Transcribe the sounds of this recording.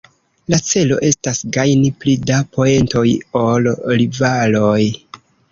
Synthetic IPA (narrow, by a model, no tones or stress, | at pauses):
lat͡se̞lo̞̰ʔe̞stasɡajniplidapʰo̞e̞nto̞jo̞lɾivaloj